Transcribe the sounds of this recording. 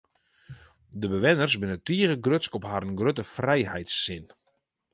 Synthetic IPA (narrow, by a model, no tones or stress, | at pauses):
dəbəʋɪnərsbɪnətiəɣəɡrøtskɔphaːɾənɡrøtəfrɛjhɛjtsːɪn